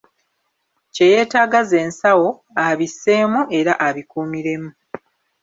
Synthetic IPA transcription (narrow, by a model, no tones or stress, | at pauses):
ce̞je̞ːtaːɡaze̞ːnsawo̞ | aβise̞ːmuʔe̞ɾaʔaβikuːmiɾe̞mu